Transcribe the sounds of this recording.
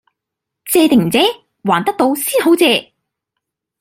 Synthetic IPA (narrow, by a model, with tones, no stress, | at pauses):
t͡sɛː˧t̪ɪ˨ŋm̩˨˩t͡sɛː˨˥ | waː˨˩nt̪ɐ˥k̚t̪o˧wsiː˥nho˨˥wt͡sɛː˧